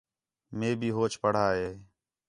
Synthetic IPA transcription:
meːbʱiːɦoːt͡ʃpəɽ̤aːɦeː

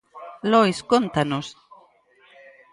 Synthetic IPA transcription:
lojskont̪anos

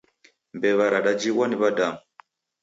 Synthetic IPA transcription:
mbɛβaɾaɗad͡ʒiwaniβadam

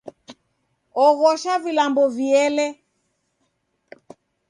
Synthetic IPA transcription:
ɔɣɔʃavilambɔviɛlɛ

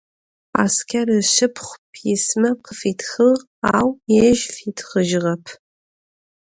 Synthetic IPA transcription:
a̰ːskʰɐrɨʃɨpʰχʷpʰismɐqəfiːtʰxɨʁ | aːwjɛʒfiːtʰχəʒʁɐpʰ

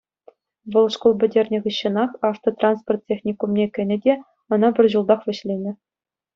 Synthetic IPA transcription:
ʋɤ̆lˠʂkolˠbʲɘ̆dʲerʲnʲɘ̆ʁɯɕːɤ̆nɑχɑft̪rot̪rɑnsport̪̚ʲtʲːexnʲikumnʲekʲɘ̆nʲɘ̆dʲe | ɤ̆nɑbʲɘ̆rʲʑulˠd̪ɑχʋʲɘ̆ɕlʲenʲɘ̆

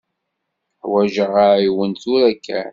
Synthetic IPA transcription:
ħwæʒəʁaiwənt̪ʊɾækʰːæ̰ɾ

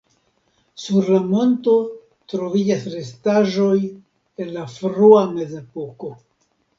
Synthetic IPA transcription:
suɾlamo̞nto̞ | tɾo̞vid͡ʒasɾe̞staʒo̞j | e̞nlafɾuame̞ze̞po̞ko̞

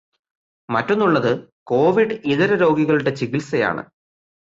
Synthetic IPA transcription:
mɐtːo̞nːuɭːɐðɨko̞ːʋiɖɨiðɐɾɐɾo̞ːɡiɣɐɭuɽe̞t͡ɕiɣilsɐja̰ːɳɨ̰

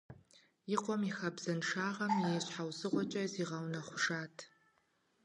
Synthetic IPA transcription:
iqʷʼɔmixabz̥anʂaːʁamejʃʷħawsɨʁʷɔt͡ʃʼɐziʁawnaχʷʂaːtʰ

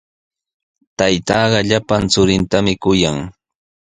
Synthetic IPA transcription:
t̪ajt̪ɑːɢɑʎapant͡sʊɾɪnt̪amɪkʊjaŋ

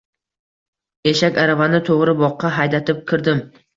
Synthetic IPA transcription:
eʃakʲaɾavanɪt̪ʰoʁɾɪbɒqʰːɑɦajd̪at̪ʰɪp̚kʲʰɪɾd̪ɪm

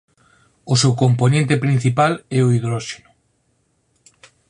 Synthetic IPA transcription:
osewkomponẽnt̪epɾin̟θipalɛoiðɾoʃenu

